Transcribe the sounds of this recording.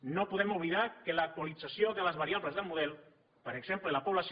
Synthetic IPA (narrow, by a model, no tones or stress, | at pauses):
nopuðɛmuβliðakələk̚t̪walid͡zasjoðələzβaɾiaβləzðəlˠmuðɛlˠ | pəɾeɡz̥emplələpoβlas